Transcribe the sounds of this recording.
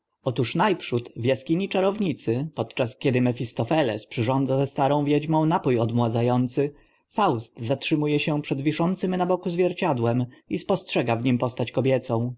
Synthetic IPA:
ɔt̪uʂnajpʂut̪vʲjaskʲiɲit͡ʂaɾɔvɲit̪sɘpɔt̪t͡ʂaskʲɛd̪ɘmɛfʲist̪ɔfɛlɛ̰spʂɘʐɔnd̪zazɛst̪aɾɔ̃w̃vʲjɛd͡ʑmɔ̃w̃napujɔd̪mwad̪zajɔnt̪sɘ | fawst̪zatʂɘmujɛɕɛpʂɛd̪vʲiʂɔnt̪sɘmnabɔkuzvʲjɛɾt͡ɕad̪wɛmispɔstʂɛɡavɲimpɔst̪at͡ɕkɔbʲjɛt̪sɔ̃w̃

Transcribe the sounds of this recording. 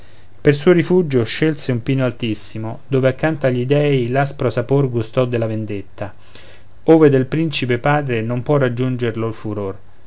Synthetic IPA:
persuːoɾifud͡ʒoʃelseumpiːnoalt̪isːimod̪oːveakːant̪aʎːid̪ɛːilaspɾosaporɡust̪ɔd̪elavend̪et̪ːa | oːved̪elpɾint͡ʃipepaːd̪ɾenompwɔrːad͡ʒːund͡ʒerloalfuɾor

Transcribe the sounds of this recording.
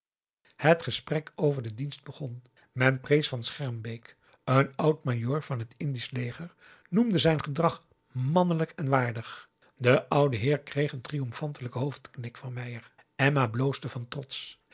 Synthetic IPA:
hətχəsprɛkʰowvəɹdədinst̚bəχɔn | mɛnprejsfɑnsχɛɹmbejk | ənʌwt̚majoːɹv̥ɑnɦətɪndislejχəɹ | numdəzɛjnχədrɑχ | mɑnələkɛnʋaːɹdəχ | dəʔʌwdəɦɪːɹkrejχəntrijɔmfɑntələkəɦowftknɪkfɑnmɛjər | ɛmablowsdəvɑntrɔts

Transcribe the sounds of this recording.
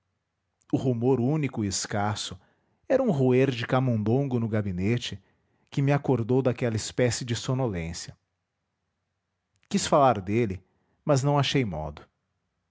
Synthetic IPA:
ʊhumoɾũnikʊiɪskasʊ | ɛɾɐũɦueɾd͡ʒɪkamõnd̪õɡʊnʊɡabinet͡ʃɪ | kɪmɪakoɾd̪owd̪akɛlɐɪspɛsɪd͡ʒɪsonolẽsjɐ | kisfalaɾd̪elɪ | mɐznɐ̃w̃aʃejmɔ̰d̪ʊ

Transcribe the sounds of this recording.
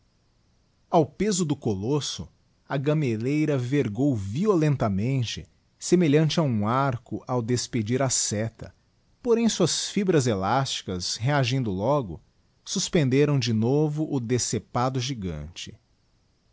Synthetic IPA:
awpezʊd̪ʊkolosʊ | ɐɡɐmelejɾɐveɾɡowviolẽnt̪ɐmẽnt͡ʃɪ | semeʎɐ̃nt͡ʃɪaũaɾkʊʔawd̪esped͡ʒiɾasɛt̪ɐ̰ | poɾẽj̃suɐsfibɾɐzelast͡ʃi̥kɐsɦeaʒĩnd̪ʊlɔɡʊ̰ | suspẽnd̪eɾɐ̃w̃d͡ʒɪnovʊʔʊd̪esepad̪ʊʒiɡɐ̰̃t͡ʃɪ̥

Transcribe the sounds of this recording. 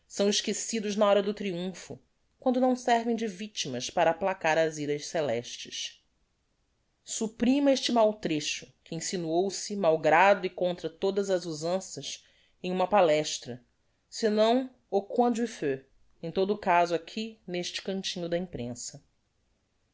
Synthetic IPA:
sɐ̃w̃ɪʃkesid̪ʊʒnɐɔɾɐd̪ʊt̪ɾiũfʊ | kwɐ̃nd̪ʊnɐ̃w̃sɛɾvẽj̃d͡ʒɪvit͡ʃimɐʃpaɾɐaːplakaɾɐziɾɐʃselɛʃt͡ʃɪʃ | supɾĩmɐeʃt͡ʃɪmawt̪ɾeʃʊ̥kɪĩsinuowsɪmawɡɾad̪ʊikõnt̪ɾɐt̪od̪ɐzɐzuzɐ̃sɐs | ẽj̃ũmɐpalɛʃt̪ɾɐ | sɪnɐ̃w̃ | okwɐ̃d͡ʒwifø | ẽj̃t̪od̪ʊkazʊakʰineʃt͡ʃɪ̥kɐ̃nt͡ʃĩɲʊd̪ɐĩpɾḛ̃sɐ

